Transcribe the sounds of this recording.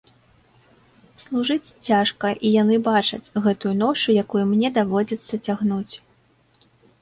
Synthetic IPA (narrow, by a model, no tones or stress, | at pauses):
slˠuʐɨt͡sʲt͡sʲaʂkɐʔijan̪ɨbat͡ʂɐ̰t͡sʲɣɛt̪ujunɔt͡ʂujakujumnʲɛd̪avɔd͡zʲɐt̪sːɐt͡sʲaɣnut͡sʲ